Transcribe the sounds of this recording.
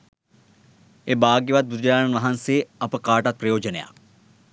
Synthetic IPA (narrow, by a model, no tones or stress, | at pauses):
ebaːɡjeʋat̪̚bud͡ʒɾaːnɐnʋɐɦanseːɐpəkaːʈɐt̪̚pɾɐjoːd͡ʒəneja̰